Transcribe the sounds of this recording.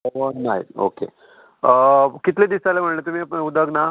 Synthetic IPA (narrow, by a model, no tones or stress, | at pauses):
ʋənaɦj̰o̰kḛ | kit̪led̪isalem̤əɽlet̪̬um̤iːapəɳud̪əɡna